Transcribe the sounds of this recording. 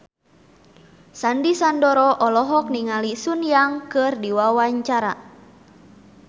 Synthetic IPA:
sandisandɔɾɔʔɔlɔɦɔk̚niŋalisunjaŋkɨrdiwawaɲt͡ʃaɾa̰

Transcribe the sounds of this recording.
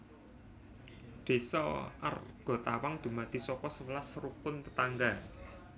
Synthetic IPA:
d̪̥e̤sɔ̰ʔa̰rɡ̥ɔ̤t̪awaŋd̪̥ṳmad̪̥isɔkɔsəwəlasɾupʊnt̪ə̥t̪aŋɡa

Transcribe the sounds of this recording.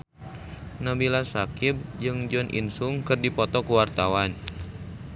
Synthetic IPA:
nabilasakib̚d͡ʒɨŋd͡ʒɔnʔḭnsuŋkɨrdipɔt̪ɔkuwart̪awan

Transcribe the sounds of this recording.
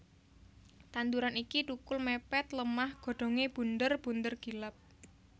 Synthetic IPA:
t̪and̪uɾanikiʈ̪ukʊlmepɛt̪ləmahɡ̥o̤ɖ̪̥o̤ŋeb̥ṳnd̪ərb̥ṳnd̪ərɡ̥i̤lap̚

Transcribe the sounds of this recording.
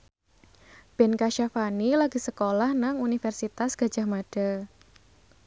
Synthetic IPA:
b̥ɛnkaʃafanilaɡi̤səkolahnaŋunifɛrsit̪asɡ̥a̤d͡ʒʒ̥a̤hmaɖ̥a̤

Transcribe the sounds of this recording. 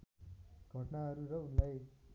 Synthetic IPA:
ɡʱʌʈnaɦʌɾuɾʌunlaj

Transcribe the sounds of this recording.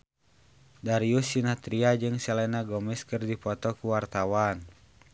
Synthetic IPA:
daɾiusinat̪ɾiad͡ʒɨŋsɛlɛnaɡɔmɛskɨrdipɔt̪ɔkuwart̪awan

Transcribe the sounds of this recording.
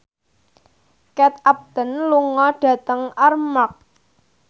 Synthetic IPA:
kɛt̪̚ap̚d̪̥ə̤nluŋɔɖ̥ä̤t̪əŋarmak̚

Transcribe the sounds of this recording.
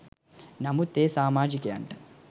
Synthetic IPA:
nɐmut̪eːsaːmaːd͡ʒikeːɐɳʈɐ

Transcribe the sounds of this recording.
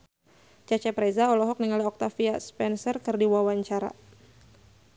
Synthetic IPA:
t͡ʃat͡ʃɛpɾezaɔlɔɦɔk̚niŋaliɔk̚t̪afiaspɛnsərkɨrdiwawaɲt͡ʃaɾa̰

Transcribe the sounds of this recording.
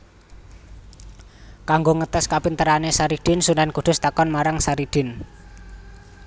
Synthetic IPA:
kaŋɡoŋət̪əskapint̪əɾanesaɾiɖ̥ɪnsunankud̪̥ʊ̤st̪akɔnmaɾaŋsaɾiɖ̥ɪn

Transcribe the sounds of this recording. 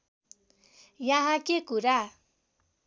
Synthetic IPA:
jãɦãkekuɾa

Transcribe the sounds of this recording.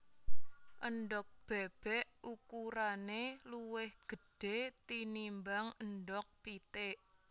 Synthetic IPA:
ʔəɳɖɔk̚b̥ɛb̥ɛʔukuɾaneluwɪhɡ̥ə̤ɖ̥et̪inimbaŋəndɔk̚pit̪eʔ

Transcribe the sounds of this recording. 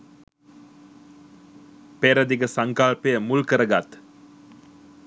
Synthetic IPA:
peɾəd̪iɡəsaŋkalpəjəmulkəɾəɡat̪

